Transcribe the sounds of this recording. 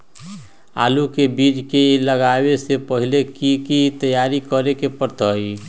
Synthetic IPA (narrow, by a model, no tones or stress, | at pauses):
a̰lukebid͡ʒkeləɡabesepəɦilekikit̪əjaɾikəɾekepəɾt̪əj